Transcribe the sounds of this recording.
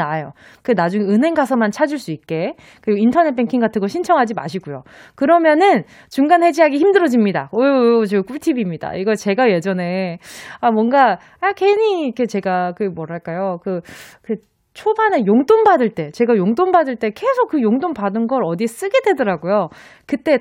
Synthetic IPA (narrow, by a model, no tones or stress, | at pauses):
najo | kɯnad͡ʑuŋeɯnɦe̞ŋɡasʰʌmant͡ɕʰad͡ʑiɭs͈uik̚k͈e̞ | kɯɾiɡointʰʌne̞t̚pʰeŋkʰiŋɡatʰɯŋɡʌɕʰint͡ɕʰʌŋɦad͡ʑima̰ɕʰiɡujo̰kɯɾʌmjʌnɯn | t͡ɕuŋɡanhe̞d͡ʑiɦaɡiçimdɯɾʌd͡ʑimɲida̰ojot͡ɕeɡk͈ʰutʰibimɲida̰iɡʌt͡ɕe̞ɡaje̞d͡ʑʌne̞amwʌŋɡa | akʰeɲiikʰe̞t͡ɕe̞ɡakɯmwʌɾaɭk͈ajokɯkɯ | t͡ɕʰobanejoŋt͈ombadɯɭt͈e̞t͡ɕe̞ɡajoŋt͈ombadɯɭt͈e̞ke̞sʰok͈ːɯjoŋtompadɯnɡʌɾʌdis͈ɯɡe̞dwe̞dʌɾaɡojo | kɯt͈e̞